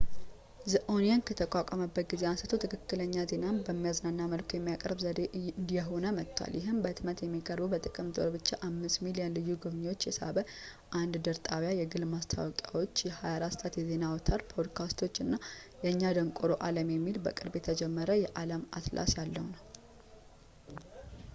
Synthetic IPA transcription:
zɨʔonijankʰət̪ʰəkʼakʷʼaməbːət̪̚ɡize̞asət̪ʰot̪ʰɨkʰɨkːɨləɲːaze̞nanbəmːijaznanːaməlkʰojɛmːijakʼəɾbzəd̪eʔɨnd̪ijɛɦonəmət̪ʰːwa̰ljɪɦɨmbət̪mət̪jɛmːikʼəɾbubət̪ʼɨkʼɨmd̪ʼo̞̰ɾbɨt͡ʃːaʔamːɨst̪milijənlɨjːuɡuβɲiwo̞t͡ʃːjɛsa̰bə | ʔand̪d̪əɾt̪ʼaβjajɛɡɨlmast̪ʰa̰wɔkʼjawo̞t͡ʃːjɛhajaɾast̪ʼat̪jɛze̞nawɔt̪ʰaɾpʰod̪kʰast̪ʰo̞t͡ʃːɨnːajɛɨɲːad̪əŋkʼoɾoʔaləmjɛmːilbəkʼɨɾbjɛt̪ʰəd͡ʒɛmːəɾəjɛʔaləma̰t̪lʔa̰sjalːəhunəw

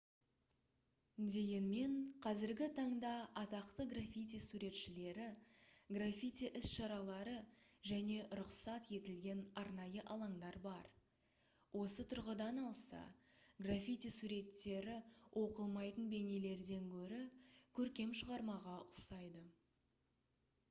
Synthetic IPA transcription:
d̪e̞ɡʲenme̞ɴqʰɑzɪɾɡʲɪt̪ʰɑɴd̪ɑɑt̪ɑqt̪əɡrafʲijt̪ijsuɾe̞t̪ʃɪle̞ɾɪɡrafʲit̪ʲiʔɪsʃɑɾɑlˠɑɾəʒæne̞ɾʊqsɑt̪je̞t̪ɪlɡʲe̞nɑɾnɑjəʔɑlˠɑɴd̪ɑɾbɑɾ | wʔo̞sət̪ʰʊɾʁəd̪ɑnɑlˠsɑ̰ɡrafʲit̪ijsuɾe̞t̪ːe̞ɾɪwʔo̞qəlˠmɑjt̪ənbe̞nele̞ɾd̪e̞ŋkʲʰɵɾɪkʲʰɵɾkʲe̞mʃəʁɑɾmɑʁɑʊsɑjd̪ə

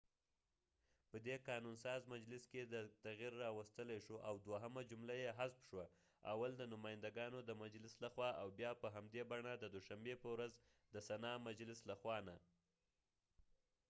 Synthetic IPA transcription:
pəd̪ekɑnunsɑzmad͡ʒlɪsked̪ət̪aɣiɾːɑwast̪əlajʃoʔawd̪waɦəmad͡ʒʊmlajeɦaspʃwa | a̰wald̪ənʊmɑjɪnd̪aɡɑnod̪əmad͡ʒlɪslaxwɑʔawbjɑpəɦamd̪ebaɳad̪əd̪ʊʃambepəwɾaz | d̪əsanɑmad͡ʒlɪslaxwɑna

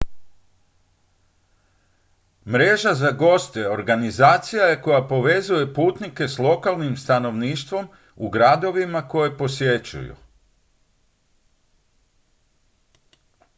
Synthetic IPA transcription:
mɾe̞ːʒazaɡo̞st̪eo̞ɾɡanizaːt̪sijaje̞ko̞japo̞ʋe̞zuje̞puːt̪nike̞slˠo̞kalˠnimst̪ano̞ʋniːʃt̪ʋo̞m | uɡɾad̪o̞ʋimako̞je̞po̞sje̞t͡ʃṵjṵ

